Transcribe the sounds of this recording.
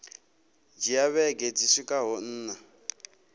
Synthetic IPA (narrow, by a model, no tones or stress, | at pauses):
d͡ʒijaβɛɡed͡zisikʼaɦɔn̩ːna